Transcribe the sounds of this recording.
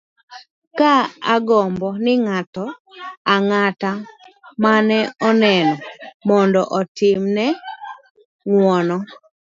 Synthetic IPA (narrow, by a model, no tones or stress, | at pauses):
kaaɡɔmbɔnɪŋatɔ | aŋatamanɛɔnɛnɔmɔndɔʔɔtɪmnɛ | ŋwɔnɔ